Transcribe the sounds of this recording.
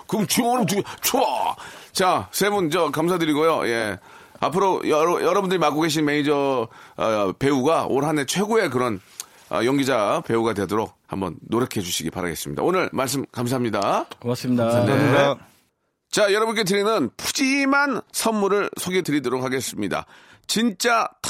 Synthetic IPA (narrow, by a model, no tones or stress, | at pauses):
kɯt͡ɕioɾʌtuɡt͡ɕoat͡ɕasʰe̞bunt͡ɕʌkamsʰadɯɾiɡojoje̞ | a̰pʰɯɾojʌɾʌjʌɾʌbundɯɾimak͈oɡe̞ɕ̬ʰinme̞id͡ʑʌ | pe̞uɡaoɾɦane̞t͡ɕʰwe̞ɡoe̞k̬ɯɾʌn | ʌ̰jʌŋɡid͡ʑape̞uɡadwe̞doɾok̚ha̰mbʌ̰nːoɾʌkʰe̞d͡ʑuɕʰiɡipaɾa̰ɡe̞̰s͈ɯmɲḭda̰onɯɭmaɭs̬͈ɯmkams̬ʰaɦamɲidaas | t͡ɕajʌɾʌbunk̬͈et̬ɯɾinɯnpud͡ʑimansʰʌnːuɾɯɭsʰoɡetɯɾidoɾok̚haɡe̞s͈ɯmɲida̰ | t͡ɕint͡ɕ͈at